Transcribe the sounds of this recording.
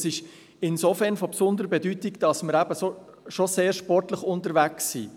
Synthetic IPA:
sɪʃ | ɪnsofɛɾnfopsʊnd̪əɾəbɛdytɪkd̥ɑsməɾæbəso | ʃoseːɾʃpɔrtləχʊntəɾʋæksːḭː

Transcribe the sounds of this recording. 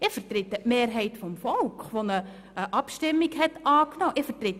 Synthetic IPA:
ɪfərt̪ɾɪt̪ːəʔmeːrɦɛɪtfɔmfɔlkχʋonə | əʔɑpʃtɪmːiɡɦɛtɑːknɔːʔɪfəɾt̪ɾɪt

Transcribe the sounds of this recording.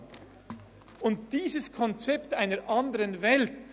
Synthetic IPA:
ʔʊnt̚d̥iːzəskʰɔnt͡sɛptaɪnəʔandəʁənvɛlt

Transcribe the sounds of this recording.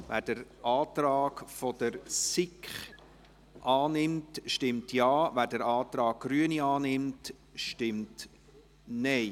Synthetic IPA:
væ̰ːɾd̥əɾʔɑːtɾɑːɡfɔd̥əɾsɪkχ | ʔɑːnɪmtʃtɪmtʰjɑːvæːɾdəɾɑːt̪ɾɑːk̚ɡ̥ɾyəniɑːnɪmt | ʃtɪmt | nɛɪ

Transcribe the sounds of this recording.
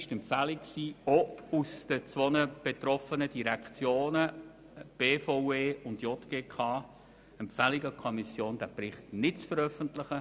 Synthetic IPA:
ɪʃtɛmfælɪkksiːousd̥ət͡sʋonəb̥etrɔfənəd̥iɾɛkχt͡sjoːnə | b̥eːfoʊeːʊndjɔtɡ̥eːkʰɑː | ɛmpfɛlɪɡəkʰɔmisjoːnd̥æbrɪχtnɪtt͡sfəɾœfəntlɪχə

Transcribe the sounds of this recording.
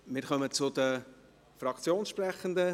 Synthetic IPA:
mɪɾχœmət͡sʊd̪ə | frɑkt͡sjoːnsʃprɛχənd̪ə

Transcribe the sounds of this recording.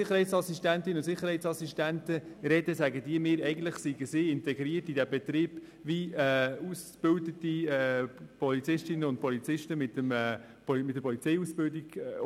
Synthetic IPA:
ɪχəɾhɛɪtsɑsistæntɪnəʊnt̪sɪχəɾhɛɪt̪sɑsiʃtæntəɾɛdəsæɡədiːəmɪːɾɛɪɡən̩t̪ləχsiɡəsɪːɪntɛɡɾiətidæbɛt̪ɾiːb̥ | viɛusb̥ʏldətiɛpʰɔlit͡sɪʃtɪnəʊnt̚pʰɔlit͡sɪʃtəmɪt̪əmɛ | mɪt̚dəɾpʰɔlit͡sɛjusb̥ɪldiɡ̥

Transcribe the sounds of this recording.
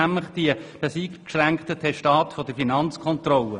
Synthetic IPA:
æmləχd̥iəb̥ɛsiːkkʃræŋkt̪ətʰɛʃtɑːt̪fod̥əfinɑnt͡skʰɔnt̪rɔlə

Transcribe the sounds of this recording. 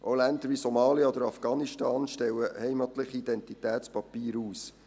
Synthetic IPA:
ʔolænd̪əɾʋisɔmɑːljəɔd̪əɾɑfɡ̥ɑːniʃtɑːnʃtɛwəhɛɪmɑt̪lɪχiid̪ɛnt̪itæːtspɑpiːɾuːs

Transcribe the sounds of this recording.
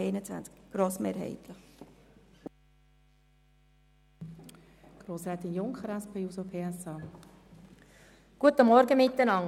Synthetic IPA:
ɛɪnət͡sʋæ̰nt͡skɡ̥ɾoːsmeːɾhɛ̰ɪt̪lə | ɡ̥ɾoːsɾɛːt̪ɪnjʊŋkχəɾɛspʰeːjuːsopʰeːɛsɑː | ɡ̥uət̪əmɔɾɡəmɪt̪ːənɑŋ

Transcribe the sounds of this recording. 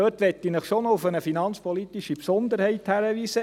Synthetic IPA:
øːtʋɛt̪ːinəχʃonoʊfənəfinɑnt͡spʰɔlit̪iʃipsɔnd̪əɾhɛɪthæɾəʋiːsə

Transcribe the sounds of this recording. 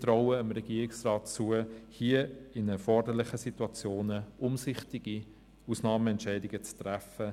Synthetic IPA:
tɾɔʊəəmɾɛɡiːɾɪksrɑːtt͡suəhiəɪnɛɾfɔɾdəɾlɪχəsituɑt͡sjoːnəʔʊmsɪχtɪɡ̥i | usnɑːməɛntʃɛɪdɪɡət͡st̪ræfə

